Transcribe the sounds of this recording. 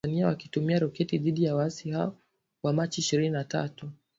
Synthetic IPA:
aniawakitumiaɾɔkɛtiðiɗijawaasihaɔ | wamat͡ʃiːʃiɾininata̰tu

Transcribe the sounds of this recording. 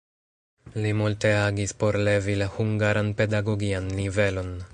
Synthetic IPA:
limulte̞aɡispo̞ɾle̞vilahuŋɡaɾanpe̞daɡo̞ɡianlive̞lo̞n

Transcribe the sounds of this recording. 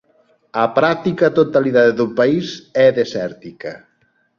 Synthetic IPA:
apɾak̚t̪ikɐt̪ot̪aliðaðeðupaisɛðesɛɾt̪ikɐ

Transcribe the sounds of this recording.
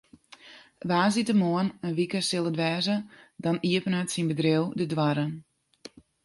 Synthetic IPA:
ʋaːzitəmoənənʋikəsɪlˠədʋɛːzədɔniəpənatsinbədrewdədwaɾən

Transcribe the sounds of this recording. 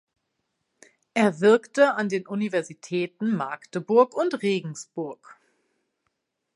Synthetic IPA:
ʔeːɐvɪɐktəandeːnʔunivɛɐzitʰɛːtn̩maɐktəbʊɐkʊntʁeːɡŋ̩sb̥ʊɐk

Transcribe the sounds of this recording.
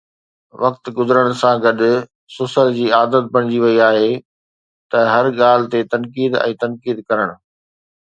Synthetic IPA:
ʋɐkt̪ɡʊzəɾəɽ̃ʊsãɡɐɗ | sʊsəld͡ʑiːaːd̪ət̪̚bɐɽ̃ɪd͡ʑiʋɐiaːɦe | t̪ɐɦɐɾɠaːl̤ɪ̆t̪et̪ɐnkiːd̪ɛ̰̃ːt̪ɐnkiːd̪kɐɾəɽ̃ʊ̆

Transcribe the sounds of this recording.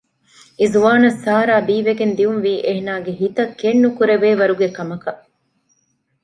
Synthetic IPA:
izuʋaːnɐsːaːɾaːbiːʋeɡend̪iunʋiːʔeɦenaːɡeɦit̪ɐkːenːukuɾeʋeːʋɐɾuɡekɐmɐkɐ

